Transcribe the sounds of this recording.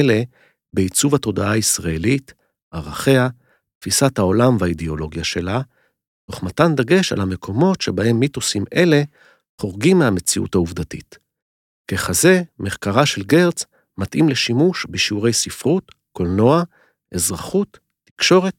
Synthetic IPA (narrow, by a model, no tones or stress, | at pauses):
le̞ | beit͡suvato̞daaisʁae̞lit | aʁaχe̞a | tfisathao̞lamveideo̞lo̞ɡjaʃe̞la | to̞χmatand̪aɡe̞ʃa̰lhame̞kʰo̞mo̞tʃe̞bahe̞mːitusime̞le̞ | χo̞ʁɡimːeame̞t͡siʔṵthauvd̪atḭt | keχaze̞meχkaʁaʃe̞lɡe̞ʁt͡s | matʔimle̞ʃimuʃbeʃiuʁe̞jsifʁut | ko̞lno̞a | ʔezʁaχutː | i̥kʃo̞ʁe̞t̚